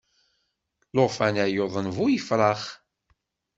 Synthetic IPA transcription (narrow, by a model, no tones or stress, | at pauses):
loʁfænæjoðˤənvʊjəfɾˤɑχ